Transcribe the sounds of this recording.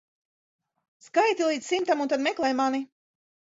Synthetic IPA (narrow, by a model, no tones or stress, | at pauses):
skajt̪ilˠiːd̪ssimt̪amunt̪ad̪mɛklˠɛjmani